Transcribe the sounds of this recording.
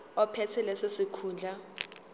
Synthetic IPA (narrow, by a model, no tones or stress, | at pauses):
ɔpʰɛtʰɛlɛsesikʰuːnd͡ɮʱa